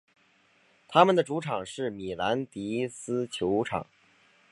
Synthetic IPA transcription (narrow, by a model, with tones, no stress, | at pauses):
t̪ʰa˥mə˨nd̪ə˩ʈ͡ʂu˧˥ʈ͡ʂʰɑ˨˩ŋʂɻ̩˥˩mi˨˩la˧˥nt̪i˧˥sɹ̩˥t͡ɕʰjo˧˥ʊʈ͡ʂʰɑ̰˨˩˦ŋ